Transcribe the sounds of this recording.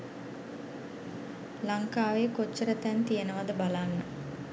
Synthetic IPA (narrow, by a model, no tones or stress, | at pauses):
laŋkaːʋekot͡ʃːəɾət̪ɛnt̪ijənəʋad̪əbalanːə